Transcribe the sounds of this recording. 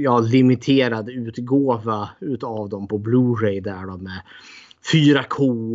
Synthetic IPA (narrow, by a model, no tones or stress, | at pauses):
jɑːlɪmɪt̪ʰeːɾad̪ʉ̟ːt̪ɡoːvaʉ̟ːt̪avd̪ɔmpʰɔbluːɾɛjd̪æɖɔmɛ | fyːɾakʰoː